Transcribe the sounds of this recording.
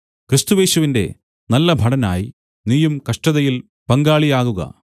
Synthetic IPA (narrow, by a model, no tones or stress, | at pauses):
kɾɨst̪uʋe̞ːɕuʋinde̞̰ | nɐlːɐbʱɐɽɐna̰ːji | nijumkɐʂʈɐðɐjil | pɐŋɡaːɭijaːɣuɣɐ̰